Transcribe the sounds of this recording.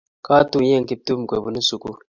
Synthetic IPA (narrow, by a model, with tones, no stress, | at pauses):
ka˦tu˦ɲe˦˨ŋ˦ki˦p̚tu˦m̩˨kwe˨bu˨nu˦su˨ku˦